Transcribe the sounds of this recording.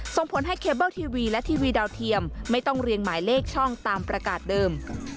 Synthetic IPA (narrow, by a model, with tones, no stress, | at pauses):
so˧˩ŋpʰo˩˦nɦa˥˩jkʰeː˦˥bɤː˥˩wt̪ʰiː˧wiː˧lɛ˦˥t̪ʰiː˧wiː˧da˧wt̪ʰi˧əmːa˥˩jt̪ɔ˥˩ŋɾi˧ənmaː˩˦jleː˥˩k̚t͡ɕʰɔ˥˩ŋt̪aː˧mpɾa˧kaː˨˩t̪̚dɤː˧m